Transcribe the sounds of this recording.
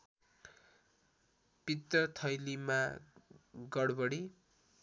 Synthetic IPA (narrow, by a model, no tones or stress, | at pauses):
pit̪ːʌt̪ʰʌjlima | ɡʌɽbʌɽi